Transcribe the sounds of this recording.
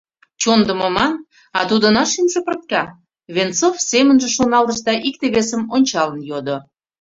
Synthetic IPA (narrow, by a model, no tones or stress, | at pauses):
t͡ɕond̪əməmɑn | ɑt̪ud̪ə̆nɑʃinʒepərt̪̚kɑ | βent͡sofsemənʒĕʃonɑld̪əʃd̪ɑʔik̚t̪eβesəmonʲt͡ɕɑlənjod̪o